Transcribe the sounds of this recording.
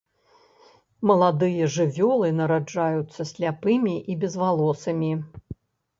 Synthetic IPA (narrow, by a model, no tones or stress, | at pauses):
mɐlˠad̪ɨjɐʐɨvʲɔlˠɨnɐɾad͡ʐajut̪sːɐsʲlʲapɨmʲiʔibʲɛzvalˠɔsɐmʲi